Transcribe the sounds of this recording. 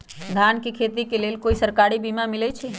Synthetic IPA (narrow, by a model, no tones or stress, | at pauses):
d̪ʱaːnkekʰeːt̪ikeleːlkoːisəɾkaːɾibimãmɪlɛt͡ʃʰe